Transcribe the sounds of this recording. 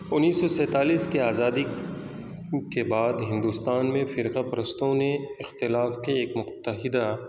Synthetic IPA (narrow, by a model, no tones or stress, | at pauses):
ʊnːiːsːɔsɛ̃ːt̪aːliːskeaːzaːd̪i | kebaːd̪ɦɪ̃nd̪ust̪aːnmẽfɪɾqapɐɾəst̪õneɪxt̪ɪlaːfkeːkmʊt̪ːəɦɪd̪a